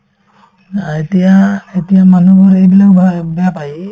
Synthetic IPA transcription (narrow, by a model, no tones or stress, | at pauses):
aetijaetijamanubuɹejbilakabɛjapaj